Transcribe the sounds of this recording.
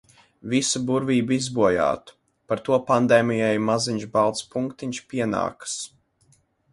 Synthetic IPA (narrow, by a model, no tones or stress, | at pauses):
visubuɾvʲiːbizbuɔja̰ːt̪u̥ | paɾt̪uɔpand̪ɛːmʲijajmaziɲʲʒbalˠt̪spuŋkt̪iɲʲʃpʲiɛna̰ːkɨ̥s